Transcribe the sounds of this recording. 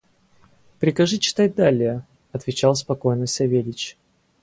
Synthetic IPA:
pɾʲɪkɐʐɨt͡ɕɪ̥t̪at̚ʲd̪alʲɪjə | ɐt̪vʲɪt͡ɕalˠspɐko̞jnəsʲɐvʲelʲɪt͡ɕ

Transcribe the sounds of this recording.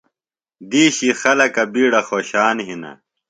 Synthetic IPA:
d̪iːɕixɐlɐkɐbiːɽɐxoːɕaːnɦinɐ̰

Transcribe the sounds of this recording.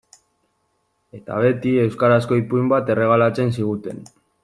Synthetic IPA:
e̞t̪a̰β̞e̞t̪ie̞wskaɾasko̞ipujmbat̪e̞re̞ɣ̞alat͡se̞nsiɣut̪e̞̰n

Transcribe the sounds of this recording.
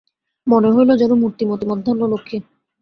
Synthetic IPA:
moneɦojlod͡ʑɛnomuɾt̪imot̪imɔd̪ʱɔnːolokʰːe

